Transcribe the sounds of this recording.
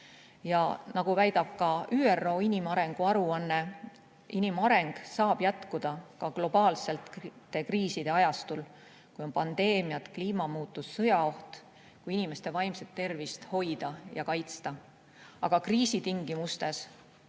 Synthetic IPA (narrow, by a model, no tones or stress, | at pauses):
jɑ̰nɑɡ̥uvæjd̪ɑb̥̚kɑʔyːero̞ːinʲimɑɾe̞ŋɡ̥uɑɾuɑnːe̞ | ʔinimɑɾe̞ŋɡ̥sɑːb̥jæt̪kud̪̥ɑkɑɡ̥lo̞b̥ɑːlse̞lt̪t̪ːe̞kriːsid̪̥e̞ɑjɑst̪ul | kujo̞npɑnd̪̥e̞ːmijɑt̪kliːmɑmuːt̪ːˑusːɤjɑo̞ht̪ | kujinime̞st̪e̞vɑjmset̪ːe̞rvist̪ho̞jd̪̥ɑjɑkɑjt̪st̪ɑ | ɑ̰ɡ̥ɑkriːsit̪iŋɡ̥imust̪e̞s